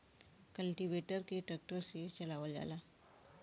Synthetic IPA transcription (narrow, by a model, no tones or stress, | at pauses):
kəlʈiʋeʈəɾkeʈɾək̚ʈəɾset͡ɕəlaʋəlja̰la